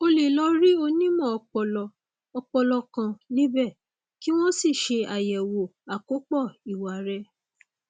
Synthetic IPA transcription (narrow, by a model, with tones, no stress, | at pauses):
o˧le˨lɔ˧ɾi˦o˧nĩ˦mɔ̃˦˨ɔ˧k͡pɔ˧lɔ˧ | ɔ˧k͡pɔ˧lɔ˧kã˧nĩ˦bɛ˦˨ | ki˦w̃ɔ̃˦si˦˨ʃe˧a˨jɛ˨wo˨a˨ko˨˦k͡pɔ˦˨i˨wa˨ɾɛ˧˦